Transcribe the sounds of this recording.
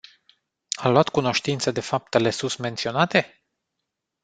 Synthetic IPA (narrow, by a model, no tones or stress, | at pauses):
amloat̪kuno̞ʃt̪int̪səd̪e̞fap̚t̪e̞le̞susme̞nt̪sio̞nat̪e̞